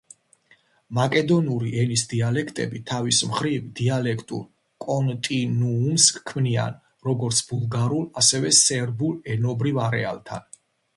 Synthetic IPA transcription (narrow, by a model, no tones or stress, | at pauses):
makʼɛd̪ɔnuɾiʔɛnisd̪ialɛkʰt̪ʼɛ̰bit̪ʰavismχɾivd̪ialɛkʰt̪ʼṵɾ | kʼɔnt̪ʼinuːmskʰmnia̰n | ɾɔɡɔɾt̪sʰbulˠɡaɾulˠasɛvɛsɛɾbulɛnɔbɾivaɾɛ̰a̰lˠt̪ʰa̰n